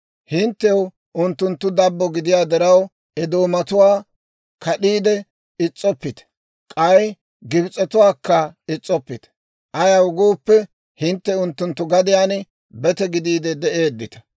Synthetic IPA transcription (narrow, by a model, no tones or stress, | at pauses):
hɪnt̪ːɛw | ʊnt̪ːʊnt̪ːʊd̪ɐbːɔɡɪd̪ɪjaːd̪ɛɾɐw | ɛd̪oːmɐt̪ʊwaː | kɐɗiːd̪ɛ | ɪt͡sʼːɔpːɪt̪ɛ̥ | kʼɐj | ɡɪbɪt͡sʼːɔt̪ʊwaːkːɐɪt͡sʼːɔpːɪt̪ɛ̥ | ʔɐjaʊɡuːpːɛ | hɪnt̪ːɛʊnt̪ːʊnt̪ːʊɡɐd̪ɪjaːn | bɛt̪ɛɡɪd̪iːd̪ɛd̪ɛʔeːd̪ːɪt̪ɐ̥